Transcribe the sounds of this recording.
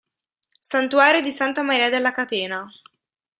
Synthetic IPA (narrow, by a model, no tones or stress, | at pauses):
sant̪uaːɾod̪isant̪amaɾiːad̪elːakat̪eːna